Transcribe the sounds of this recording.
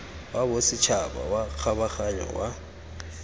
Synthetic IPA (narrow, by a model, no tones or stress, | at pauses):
wabʊsɪt͡ʃʰaba̰wak͡xʰaβaxaɲɔ̰wa